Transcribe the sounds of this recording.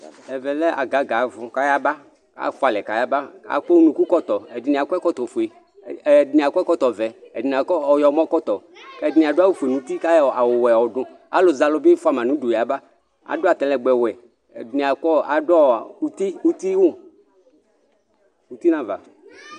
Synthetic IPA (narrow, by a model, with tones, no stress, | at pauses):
ɛ˨vɛ˨lɛ˦ʔa̰˨ɡa˨˦ɡa˨vʊ̃˨ka˦ja˦ba˦ | ka̰˦fo˦a˨lɛ˨ka˨ja˦ba˦a̰˨k͡po˦wnũ˨ku˦kɔ˦t̪ɔ˨ɛ˨di˨nĩ˨a˨kɛ˦kɔ˦t̪ɔ˨fu˨e˨ | dnĩ˨a˨kʷɛ˦kɔ˦t̪ɔ˨vɛ˨ɛ˨di˨ni˨a˨kɔ˦ɔ˨jɔ˨˦mɔ̃˦kɔ˦t̪ɔ˨ | kdi˨nĩ˨a˨ɖo˦a˦wu˦fu˨e˨nũ˨t̪i˦ka˦ja˨wo˨wɛ˨ɔ˨dʊ̃˨ | a̰˦lo˨za˨lo˨be˦fa˦˨m˨ã˨nũ˦do˨ja˨ba˦ | a̰˨do˦a˨t̪ɛ˨˦lɛ˨ɡ͡bɛ˨wɛ˨ | ni˨a˨kɔ˦a˨dɔ˦˨u˦t̪i˦u˦t̪i˦wu˦ | wu˨˦t̪i˦nã˦va̰˨